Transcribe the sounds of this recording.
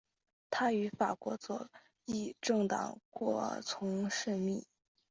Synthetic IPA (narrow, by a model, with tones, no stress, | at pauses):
t̪ʰa˥y˧˥fa˨˩kwɔ˧˥t͡swɔ̰˨˩ | i˥˩ʈ͡ʂɤ˥˩ŋt̪ɑ̰˨˩ŋkwɔ˥˩t͡sʰʊ˧˥ŋʂɻ̩˥˧mi˥˩